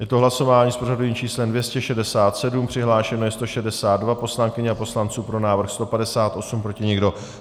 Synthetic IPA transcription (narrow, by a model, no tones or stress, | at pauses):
jɛt̪oɦlaso̞vaːɲiːspoʒadujiːmt͡ʃiːslɛmdvjɛscɛʃɛdɛsaːt̪sɛdumpr̝̥ɪɦlaːʃɛnojɛst̪o̞ʃɛdɛsaːd̪̚dvapo̞slaŋkɪɲɛapo̞slant͡suːpɾo̞naːvr̩xst̪o̞padɛsaːt̪ʔo̞sumpɾo̞cɪɲɛɡdo̞